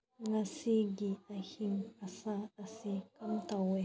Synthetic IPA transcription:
ŋasiɡiahiŋasaasikamtawɛ

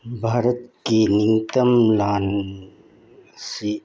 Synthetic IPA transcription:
bʱaːɾət̪̚kiniŋt̪ɐmlaːn | si

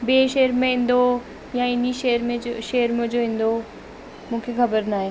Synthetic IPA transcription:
beːʃeɦəɾmẽɦĩːn̆d̪o | jaɪniʃeːəɾmẽʃeːəɾmẽd͡ʑoĩːn̆d̪o | mũːkʰexɐbəɾnaːɦeː

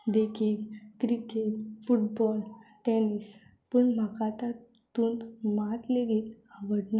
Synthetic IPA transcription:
d̪ekʰiːlt̪ɾikeʈfuʈ̚bɔlʈenis | pəɳm̤akat̪a | t̪uːnt̪mat̪leʋiːt̪ | aʋəɽna

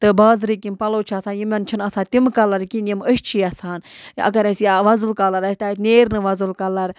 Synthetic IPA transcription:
t̪ɨbaːzɾikimpɐloːt͡ʃʰiɐsaːnjimɐnt͡ʃʰinɐsaːt̪imkɐlɐɾkinʲiməʃt͡ʃʰiːɐsaːnɐ̰kɐɾɐsjaʋɐzɨlkɐlɐɾɐsʲt̪aːt̪nʲeːɾnɨʋɐzɨlkɐlɐɾ

